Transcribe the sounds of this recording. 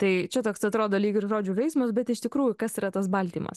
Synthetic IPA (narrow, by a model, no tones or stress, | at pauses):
t̪ɐɪt͡ʃʲɛt̪oːksɐt̪ɾoːd̪oːlʲiːkʲɪrʒoːd͡ʒʲʊːʋʲɛɪsmɐsbʲɛt̪ɪʃt̪ʲɪkɾuːjʊkɐsiːɾɐt̪ɐsbɐlʲt̪ʲiːmɐ̰s